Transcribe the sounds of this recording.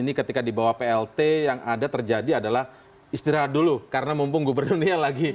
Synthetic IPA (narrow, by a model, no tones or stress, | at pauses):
inikət̪ikadibawapeɛlt̪ejaŋadat̪ərd͡ʒadiadalah | ist̪iɾaɦat̪̚dulukaɾənamumpʊŋɡubərnurnialaɡi